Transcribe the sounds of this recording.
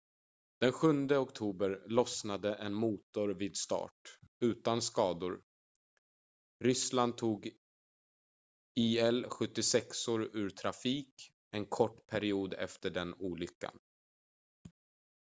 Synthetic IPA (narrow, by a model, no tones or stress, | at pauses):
d̪̥ɛnɧɵnd̪əɔkt̪ʰuːbəɾlɔsnad̪əʔɛnmuːt̪ʊɾviːd̪st̪ɑ̰ːʈʉ̟ːt̪anskɑːd̪ʊɾ | ɾʏsland̪̚t̪ʰːuːɡ | iːɛlɧɵt̪ːɪsɛksoːɾʉːɾt̪ʰɾafiːk | ɛnkʰɔʈːpʰæɾɪuːd̪ɛ̰ft̪əɖɛnuːlʏkːa̰n